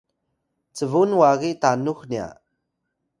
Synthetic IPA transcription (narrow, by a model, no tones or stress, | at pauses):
t͡səvunwaɣitanuxnia̰